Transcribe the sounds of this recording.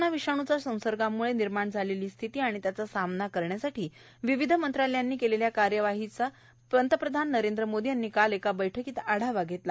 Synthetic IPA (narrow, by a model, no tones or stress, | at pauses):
naʋiʂaɽ̃ut͡sasə̃w̃səɾɡamːuɭeniɾmaɳd͡zʱaleliːst̪ʰit̪iːaɽ̃it̪jat͡sasamnakəɾɳjasaʈʰiː | ʋiʋid̪ʱəmənt̪ɾaljanːiːkeleljakaɾjəʋaɦit͡sa | pənt̪əpɾəd̪ʱanːəɾend̪ɾəmod̪ʱianːiːkalekabəjʈʰəkiːt̪aɽ̤aʋaɡʱet̪la